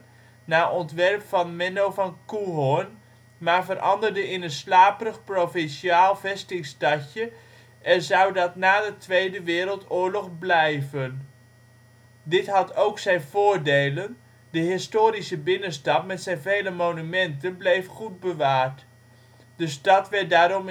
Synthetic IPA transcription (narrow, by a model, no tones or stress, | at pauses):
naːʔɔntʋɛrpfɑnmɛnowvɑnkuɦɔn | maːɹvərʔɑ̰ndəɹdəɪnənslaːpərəχprofɪnʃiaːlˠvɛstɪŋstɑcə | ʔɛnzʌwdɑtnaːdətʋejdəʋɪːɾəlˠtʊːɹlɔχblɛjvən | dɪtɦɑtowksɛjnvʊːɹdejlən | dəɦɪstoːɾisəbɪnənstɑp̚mɛtsɛjnvejləmownymɛntənblejfχud̚bəʋaːɹt | dəstɑtʋɛt̚daːɾɔm